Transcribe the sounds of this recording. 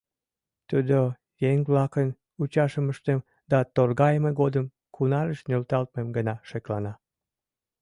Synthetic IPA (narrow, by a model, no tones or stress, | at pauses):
t̪ud̪o | jeŋβlɑkən | ut͡ɕɑʃəməʃt̪em | d̪ɑt̪orɣɑjəmeɣod̪əm | kʰunɑɾəʃnølt̪ɑlt̪memɡənɑʃeklɑnɑ